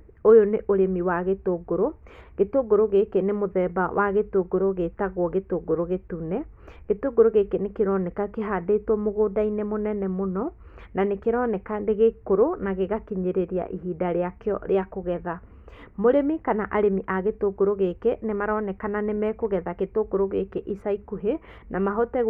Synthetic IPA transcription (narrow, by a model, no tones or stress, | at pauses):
ojoneʔoɾemiwaɣetoɡoɾoɣetoɡoɾoɣekenemoðɛbawʔa̰ɣetoɡoɾoɣetaɣwɔɣetoɡoɾoɣetunɛ | ɣetoɡoɾoɣekenekeɾɔnɛkakeɦadetwɔmoɣoːdainɛmonɛnɛmonɔ | nanekeɾɔnɛkadeɣekoɾonaɣeɣakiɲeɾeɾia̰ʔiɦiːdaɾeakeɔ̰ɾeakoɣɛða | moɾemikanaʔaɾemiʔaɣetoɡoɾoɣekenemaɾɔnɛkananemɛkoɣɛðaketoɡoɾoɣekeʔisaikuɦe | nʔamaɦɔtɛɣ